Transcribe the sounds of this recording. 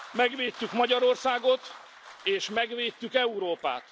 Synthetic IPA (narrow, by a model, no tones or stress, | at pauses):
mɛɡʋeːt̪ːykmɒɟɒɾo̞rsaːɡo̞t̪ | eːʃmɛɡʋeːt̪ːykɛuɾoːpa̰ːt̪